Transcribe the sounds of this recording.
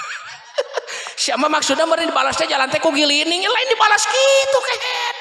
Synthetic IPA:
siamamaksudaməɾindibalasdad͡ʒalant̪akuɡilinɪŋalaɪndibalaskit̪uka

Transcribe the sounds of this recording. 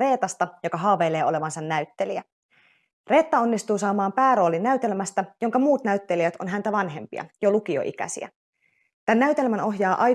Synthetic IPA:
e̞ːt̪ɑst̪ɑjo̞kɑɦɑːʋejle̞ːo̞le̞ʋɑnsɑnːæyt̪ːeliæ | re̞ːt̪ːɑo̞nːist̪uːsɑːmɑːmpæːɾo̞ːlinːæyt̪e̞lmæst̪æjo̞ŋkɑmuːt̪næyt̪ːe̞liæt̪o̞̰nɦænt̪æʋɑnɦe̞mpḭɑ̰jolukio̞̰ʔḭkæ̰sḭæ̰ | t̪ænːæyt̪e̞lmæno̞ɦjɑːʔɑ

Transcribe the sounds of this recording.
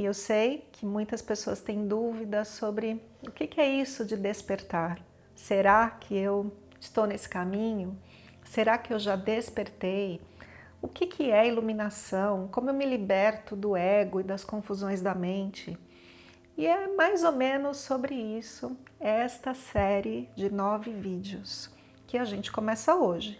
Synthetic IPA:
ewsejkʰɪmũj̃t̪ɐspesoɐst̪ẽj̃d̪uvid̪ɐsobɾɪ | ʊkɪkɪɛisʊd͡ʒɪd̪espeɾt̪aɾ | seɾakʰɪew | ɪst̪ownesɪ̥kamĩɲʊ | seɾakɪewʒad̪espeɾt̪ej | ʊkɪkʰɪɛiluminasɐ̃w̃kõmʊewmɪlibɛɾt̪ʊd̪ʊɛɡʊɪd̪ɐskõfuzõj̃zd̪ɐmẽnt͡ʃɪ | ɪɛmajzomẽnʊsːobɾɪisʊɛst̪ɐsɛɾɪd͡ʒɪnɔvɪvid͡ʒiʊs | kɪaʒẽnt͡ʃɪ̥komɛsɐoʒɪ

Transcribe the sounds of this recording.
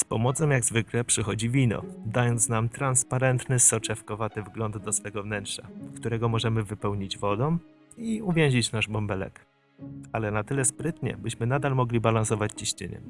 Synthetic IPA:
spɔmɔt̪sɔw̃jaɡzvɘklɛpʂɘxɔd͡ʑivʲinɔ̰d̪ajɔnt̪snamt̪ɾanspaɾɛnt̪nɘsɔt͡ʂɛfkɔvat̪ɘvɡlɔnd̪ːɔsfɛɡɔvnɛntʂakt̪uɾɛɡɔmɔʐɛmɘvɘpɛwɲid͡ʑvɔd̪ɔ̃m | iuvʲjɛ̃w̃ʑit͡ɕnaʐbɔmbɛlɛ̰k | alɛnat̪ɘlɛspɾɘt̪ɲɛ̰bɘɕmɘnad̪almɔɡlʲibalansɔvat͡ɕt͡ɕiɕt͡ɕɘ̰ɲɛ̰

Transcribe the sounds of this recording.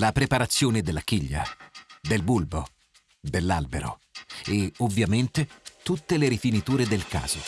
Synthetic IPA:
lapɾepaɾat̪sːjoːned̪elːak̟iʎːa̰d̪elbulbo | d̪elːalbeɾo̰ | eovːjament̪et̪ut̪ːeleɾifinit̪uːɾed̪elka̰ːz̥o

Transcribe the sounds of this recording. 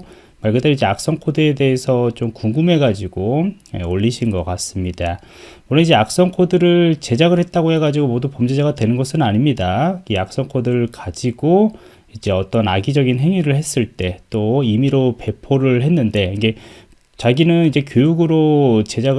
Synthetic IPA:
maɭɡɯt͈eid͡ʑe̞ak̚s͈ʌŋkʰodɯe̞de̞esʰʌt͡ɕomkuŋɡume̞ɡad͡ʑiɡ̥ojeoʎːiɕʰinɡʌk͈as͈ɯmɲid̥a | ononid͡ʑe̞ak̚s͈ʌŋkʰodɯɾɯɭt͡ɕe̞d͡ʑaɣɯɭhe̞t̚t͈aɡohe̞ɡad͡ʑiɡomodupomd͡ʑed͡ʑaɡadwe̞nɯnɡʌsʰɯnnaɲimɲidaɡeak̚s͈ʌŋkʰodɯɾɯɭkad͡ʑiɡ̥o | id͡ʑe̞ʌt͈ʌnaɡid͡ʑʌɡinɦe̞ŋiɾɯɭɦe̞s͈ɯɭt͈e̞t͈oimiɾope̞pʰoɾɯɭɦe̞nːɯnde̞iŋɡe̞ | t͡ɕaɡinɯnid͡ʑe̞k̬jojuɡɯɾot͡ɕe̞d͡ʑaɣ

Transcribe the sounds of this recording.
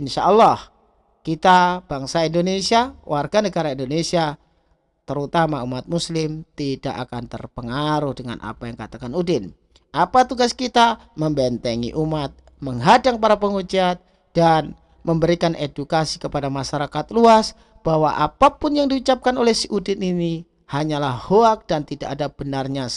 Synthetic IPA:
ɪnʃaʔɔlːɔh | kit̪ab̥aŋsaindonesiawʔarɡanəɡaɾaindonesia | t̪əɾut̪amaumat̪̚muslɪmt̪ida̰ʔakant̪ərpəŋaɾʊhdəŋa̰nʔa̰pajaŋkat̪akanudɪn | ʔapat̪uɡaskit̪aməmbɛnt̪əŋḭʔumat̪̚ | məŋɦadaŋpaɾapəŋud͡ʒiat̪̚ | d̥an | məmbəɾikanʔedukasikəpadamaʃaɾakat̪̚luas | b̥aɦwaʔa̰papʊnjaŋdiut͡ʃap̚kanolɛhsiʔudɪnini | haɲalahhoak̚d̥ant̪ida̰ʔadab̥ənarɲa

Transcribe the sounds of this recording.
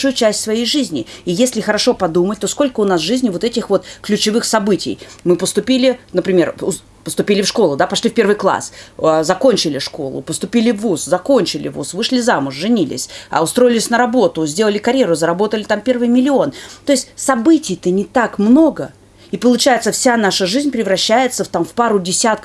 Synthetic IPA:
ʂujʊt͡ɕæsʲtʲsvɐjejʐɨzʲnʲɪ̰ijesʲlʲɪxəɾɐʂo̞pɐd̪umət̚ʲt̪o̞sko̞lʲkəʊnasʐɨzʲnʲɪvo̞t̪ɛtʲɪxvo̞t̪klʲʉt͡ɕɪvɨxsɐbɨtʲɪ̰jmɨpəst̪ʊpʲilʲɪnəpɾʲɪmʲe̞rʊ | pəst̪ʊpʲilʲɪfʂko̞lˠʊd̪apɐʂlʲifʲpʲe̞rvɨjklˠa̰szɐko̞nʲt͡ɕɪlʲɪʂko̞̰lˠʊ̰pəst̪ʊpʲilʲɪvːuszɐko̞nʲt͡ɕɪlʲɪ̰vṵsvɨʂlʲɪzamʊʂʐɨnʲilʲɪ̰sʲɐ̰ʊst̪ɾo̞jɪlʲɪsʲnəɾɐbo̞t̪ʊzʲdʲelˠəlʲɪkɐɾʲjeɾʊzəɾɐbo̞t̪əlʲɪt̪ampʲe̞rvɨjmʲɪlʲɪo̞nt̪o̞ɪsʲtʲsɐbɨtʲɪjt̪ənʲɪt̪akmno̞ɡə | ipəlˠʊt͡ɕæjɪt̪səfsʲanaʂəʐɨzʲnʲpɾʲɪvɾɐɕːæjɪt̪səft̪amfpaɾʊdʲɪsʲat̪̚kə

